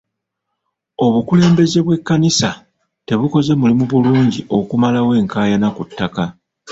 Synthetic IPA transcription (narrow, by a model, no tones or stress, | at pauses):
o̞βukule̞ːmbe̞ze̞βwe̞kːanisa | te̞βuko̞ze̞mulimuβuluːɲɟio̞kumalawe̞ːŋkaːjanakutːaka